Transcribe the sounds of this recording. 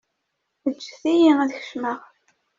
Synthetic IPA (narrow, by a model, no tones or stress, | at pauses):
əd͡ʒːθijiæðçə̥ʃməʁ